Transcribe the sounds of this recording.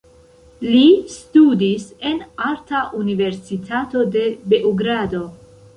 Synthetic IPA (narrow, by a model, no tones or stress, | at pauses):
listudise̞naɾtaʔunive̞ɾsitʰato̞de̞be̞ʔoɡɾado̞